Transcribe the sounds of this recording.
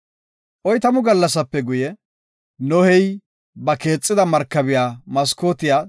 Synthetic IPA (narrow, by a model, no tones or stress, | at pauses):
ʔɔjt̪ɐmʊɡɐlːɐs̬ɐpːɛɡʊjɛ | nɔhɛj | bɐke̞ːt͡sʼːɪd̪ɐmɐɾkːɐbɪjaːmɐskoːt̪ɪjaː